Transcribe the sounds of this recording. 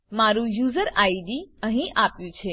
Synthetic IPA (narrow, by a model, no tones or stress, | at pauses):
maɾũjuzəɾaiɖiəɦĩʔapjũt͡ʃʰe